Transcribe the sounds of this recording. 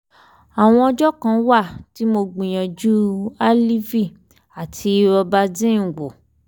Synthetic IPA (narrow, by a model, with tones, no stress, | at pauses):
a˨w̃ɔ̃˧ɔ˧d͡ʒɔ˦kã˧˦wa˦˨ti˨˦mo˧ɡ͡bĩ˨j̃ã˨d͡ʒu˦a˦li˦vi˦˨ | a˨tʰi˧ɔ˧ba˧dĩ˦˨ɡ͡bo˨